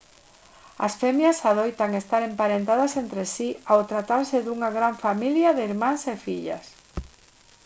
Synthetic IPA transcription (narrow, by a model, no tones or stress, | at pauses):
a̰sfemjasaðojt̪aŋest̪aɾempaɾent̪aðasent̪ɾesiawt̪ɾat̪aɾseðuŋaɣɾaɱfamiljaðɪiɾmãŋsefiʎɐ̰s